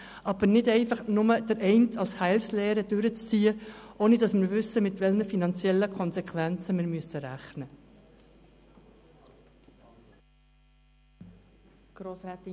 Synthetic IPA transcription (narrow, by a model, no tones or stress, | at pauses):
ʔɑb̥əɾnɪdɛɪfɑχnʊməd̥̪əɾʔɛɪntʰɑlshæɪlslɛːɾəd̥ʏɾət͡st͡siːəʔoːnidɑsmɪɾʋʏsːəmɪtʋɛlnəfinɑnt͡sjɛlːəkʰɔnsɛkχʋænt͡səmɪːɾmyəsːəɾæχnə | ɡ̥ɾoːsɛt